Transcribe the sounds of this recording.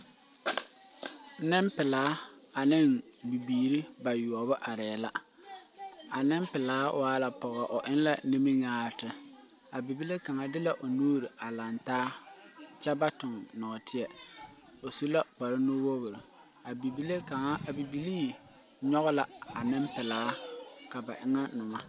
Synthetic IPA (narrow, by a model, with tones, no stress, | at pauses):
nɪ˦mpɪ˨laː˨˦a˨nɪ˦˨ŋbi˨biː˨ɾi˦ba˨ju˨ɔ˨bʊ˦ʔa˨ɾɛː˨˦˨la˦ | a˨nɪ˦mpɪ˨laː˦wʔaː˦la˨pɔ˨ɣɔ˨ʔʊ˨ʔɪ˦n˦la˨ni˦mi˦ŋaː˦ɾtɪ˦ | a˨bi˨bi˦le˦ka˨ŋa˦dɪ˦la˨ʔʊ˨noː˦ɾi˨a˨la˨ntaː˦t͡ʃɛ˦ba˦tʊ˨ŋnɔ˨ɔ˨tʰɪ˦ɛ˨ | o˨su˦la˦k͡pa˨ɾɪ˦no˦wo˦ɣʊ˨ɾi˨ | a˨bi˨bi˦le˦ka˨ŋa˦˨bi˨bi˦liː˦ | ɲɔ˦ɣʊ˦la˨a˨nɪ˦mpɪ˨laː˦ka˨ba̰˨ʔɪ˦ŋa˦nʊ˨ma˦